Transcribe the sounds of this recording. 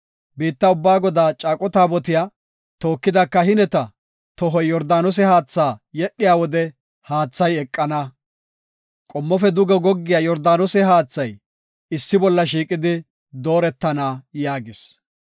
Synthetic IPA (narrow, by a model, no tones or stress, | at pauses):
biːt̪ːɐʊbːaːɡɔd̪aːt͡ʃʼaːkʼɔt̪aːbɔt̪ɪjaː | t̪o̞ːkːɪd̪ɐkːɐhɪnɛt̪ɐ | t̪ɔɦɔjjɔɾd̪aːnɔs̬ɛhaːt͡sːaːjɛɗːɪjaːwɔd̪ɛ | haːt͡sːɐjɛkʼːɐnɐ | kʼɔmːɔfɛd̪ʊɡɛɡɔɡːɪjaːjɔɾd̪aːnɔsɛɦaːt͡sːɐj | ɪsːɪbɔlːɐʃ̬iːkʼɪd̪ɪ | d̪o̞ːɾɛt̪ːɐnaːjaːɡɪs